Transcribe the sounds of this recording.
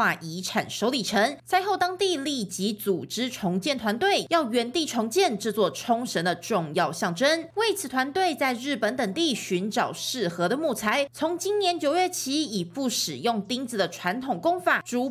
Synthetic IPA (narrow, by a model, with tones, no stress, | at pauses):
a˥˩ʔi˧˥ʈ͡ʂʰa̰˨˩nʂo˧˥ʊli˨˩ʈ͡ʂʰə˧˥ŋt͡sʰa˥ɪxo˥˩ʊt̪ɑ˥ŋt̪i˥˧li˥˩t͡ɕi˧˥t͡su˨˩ʈ͡ʂɻ̩˥ʈ͡ʂʰʊ˧˥ŋt͡ɕjɛ˥˩nt̪ʰwa˧˦nt̪we˥˩ɪjɑ˥˩ʊɥɛ˧˥nt̪i˥˩ʈ͡ʂʰʊ˧˥ŋt͡ɕjɛ˥˨nʈ͡ʂ̩˥˧t͡swɔ˥˩ʈ͡ʂʰʊ˥ŋʂə˧˥nd̪ə˨ʈ͡ʂʊ˥˧ŋjɑ˥˨ʊɕɑ˥˩ŋʈ͡ʂə˥nwe˥˩ɪt͡sʰɹ̩˨˩t̪ʰwa˧˦nt̪we˥˧ɪt͡sa˥˧ɪɻɻ̩˥˩pə˧˥nt̪ə˨˩ŋt̪i˥˩ɕy˧˥nʈ͡ʂɑ˨˩ʊʂɻ̩˥˩xɤ˧˥d̪ə˨mu˥˩t͡sʰa˥ɪt͡sʰʊ˧˥ŋt͡ɕi˥nnjɛ˧˥nt͡ɕjo˨˩ʊɥɛ˥˩t͡ɕʰi˥i˨˩pu˥˩ʂɻ̩˨˩jʊ˥˩ŋt̪i˥ŋd͡zɹ̩˨˩d̪ə˩ʈ͡ʂʰwa˧˥nt̪ʰʊ˨˩ŋkʊ˥ŋfa˨˩ʈ͡ʂu˧˥